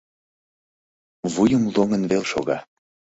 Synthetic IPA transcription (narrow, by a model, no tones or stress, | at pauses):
vujəmloŋənvelʃo̰ɣɑ